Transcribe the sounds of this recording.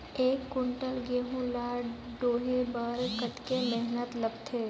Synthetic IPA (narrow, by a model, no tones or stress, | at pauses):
eːkːʊɳʈəlɡeːɦũlaɖoːɦebəɾkəʈkemɛɦnət̪ləbt̪ʰeː